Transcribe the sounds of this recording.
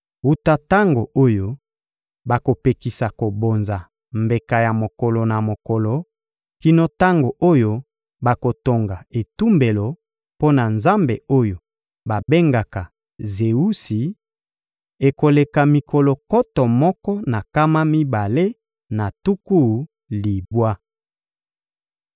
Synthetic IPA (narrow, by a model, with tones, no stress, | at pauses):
u˦ta˦ta˦ŋɡo˨ʔo˦jo˦ | ba˨ko˨pe˨ki˨sa˨ko˨bo˨nza˨ | mbe˨ka˨ja˨mo˨kɔ˨lɔ˨na˨mo˨kɔ˨lɔ˨ | ki˦no˦ta˦ŋɡo˨ʔo˦jo˦ | ba˨ko˨to˨ŋɡa˨e˨tu˦mbe˨lo˨ | po˦na˨nza˦mbe˨o˦jo˨ | ba˨be˦ŋɡa˨ka˨ | ze˨u˦si˨ | e˨ko˨le˨ka˨mi˨kɔ˨lɔ˨kɔ˦tɔ˨mɔ˦kɔ˦na˨ka˦ma˦mi˦ba˨le˦ | na˨tu˦ku˦˨ | li˨bwa˦